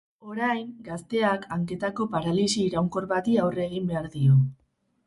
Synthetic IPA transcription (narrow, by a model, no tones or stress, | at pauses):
o̞ɾajŋɡast̪e̞akʰaŋke̞t̪ako̞paɾalisiːɾawŋko̞ɾβat̪iawre̞ɣ̞imbe̞aɾðio